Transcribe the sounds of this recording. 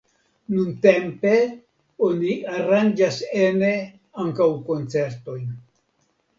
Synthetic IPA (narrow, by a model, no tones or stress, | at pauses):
nunte̞mpe̞ | oniaɾand͡ʒasene | aŋkawko̞nt͡se̞ɾto̞jn